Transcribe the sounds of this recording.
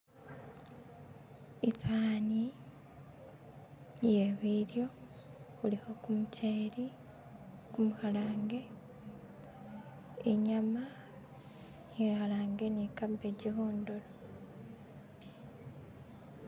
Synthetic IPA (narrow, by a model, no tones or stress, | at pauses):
taːni | jeβiɾjo̞ | uliho̞kumuceːɾi | kumuhalaːŋɡe̞ | eɲama | jehalaːŋɡe̞nikabe̞ɟihoːndolo